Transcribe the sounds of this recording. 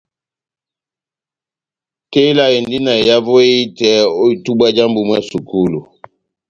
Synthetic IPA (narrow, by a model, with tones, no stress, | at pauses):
te˦la˦e˨ndi˦na˨e˨ja˦vo˦e˦i˦tɛ˦o˦i˨tu˦ɓa˦d͡ʒa˦mbu˨mwa˦˨su˨ku˦lu˨